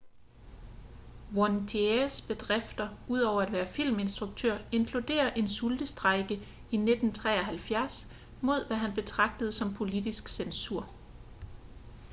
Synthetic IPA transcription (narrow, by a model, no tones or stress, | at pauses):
wɒnt͡sʰeesb̥e̝d̥ʁefd̥ɐʔuð̞̰ˠɒʊ̰ɐæd̥ʋæːɐfil̰me̝nsd̥ʁuɡ̥̚t͡sʰøɐ̰e̝nkʰlud̥e̝̰ːɐʔe̝nsuld̥əsd̥ʁɑ̈ɪɡ̥ə | ined̥n̩t͡sʰʁɛ̰ːɒɦælfjæɐs | mo̝ð̞̰ˠʋæɦænb̥e̝t͡sʰʁɑ̈ɡ̥̚d̥əð̞̩ˠsɒ̽mpʰo̝lid̥isɡ̥sensuɐ̰